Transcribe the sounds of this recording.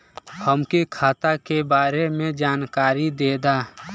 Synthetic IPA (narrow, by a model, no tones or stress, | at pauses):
həmkikʰaːt̪akebaːɾemẽd͡ʒaːnkaːɾid̪eːd̪aː